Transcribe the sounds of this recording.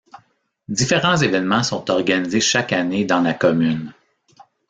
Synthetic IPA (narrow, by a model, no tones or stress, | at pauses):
d̪ifeʁɑ̃zevɛnmɑ̃sɔ̃t̪ɔʁɡanizeʃakaned̪ɑ̃lakɔmyn